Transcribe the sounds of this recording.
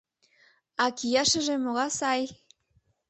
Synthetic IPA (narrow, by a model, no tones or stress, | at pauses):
ɑkijɑʃəʒemoɣɑsɑj